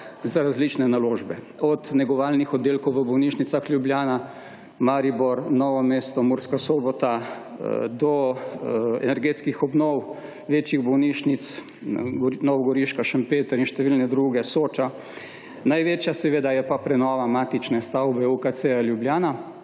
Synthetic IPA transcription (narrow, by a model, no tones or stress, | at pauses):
zaɾazlit͡ʃnɛnaloːʒbɛ | ɔd̪nɛɡɔʋaːlnixɔd̪ːeːlkɔwʋəbɔwniʃnit̪saxlʲjubljaːna | maɾibɔɾnɔːʋɔmeːst̪ɔmuɾskasoːbɔt̪a | d̪ɔ | ɛ̰nɛɾɡeːt̪skixɔbnɔw | ʋeːt͡ʃjiɣbɔwniːʃnit̪s | nɔʋɔɡɔɾiʃkaʃəmpeːt̪əɾinʃt̪ɛʋiːlnɛd̪ɾuːɡɛsoːt͡ʃa | najʋet͡ʃjasɛʋeːd̪ajɛpapɾɛnɔːʋamaːt̪it͡ʃnɛst̪awbɛukat̪sealjubljaːna